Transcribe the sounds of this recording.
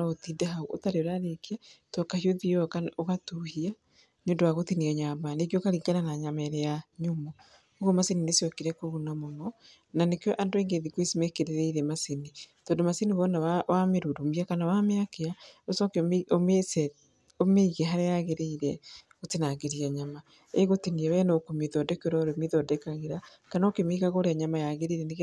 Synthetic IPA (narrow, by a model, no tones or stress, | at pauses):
otidɛɦauʔotaɾeoɾaɾekiatɔkahioðiɔkaoɣatuhia | njondowaɣotiniaɲamanekjokaɾiŋɡananaɲamɛɾejaɲomɔ | oɣomaseninesiɔkiɾɛkoβunamɔmɔ | nanekjɔʔandoɛŋɡeðikwesimekeɾeɾeiɾɛmasenitɔːndomasiniβɔnawawʔameɾudomiakanawameakeaosɔkeomesɛ | omeiɣeɦaɾejaɣeɾeiɾɛ | otenaːɣeɾiaɲama | eɣotiniɛwɛnokomiðɔdɛkoɾɔɾemiðɔdɛkaɣeɾa | kanaokemiɣaɣoɾeaɲamajaɣeɾeɾɛneɣ